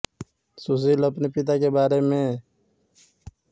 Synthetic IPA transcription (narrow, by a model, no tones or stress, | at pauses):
sus̬ilɐpnipɪt̪akebaːɾemẽ